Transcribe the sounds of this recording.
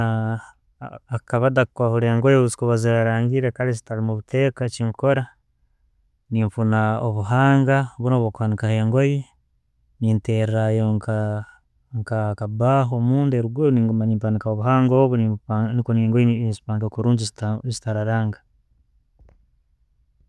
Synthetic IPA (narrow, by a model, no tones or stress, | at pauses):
a | kaβadakukwahuɾeeŋɡojiβuzi̥kuβaziɾaɾaːŋɡiɾekaɾizi̥talimuβutʰe̞kaciŋko̞ɾa | niːɱfunaoβuɦaːŋɡaβunoβokwaːnikaheŋɡo̞ji | niːnteɾɾajoŋka | ŋkakabaːɦomuːndeɾuɡeniŋɡumaɲiːmpanikaoβuɦaːŋɡoβuninikoneːŋɡojiizi̥paːŋɡakuɾuːɲizzitaɾaɾaːŋɡa